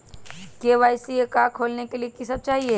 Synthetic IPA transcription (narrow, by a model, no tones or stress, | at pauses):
keːʋaːɪsijekakʰoːlnekeliekisəb̚t͡ʃaːɦie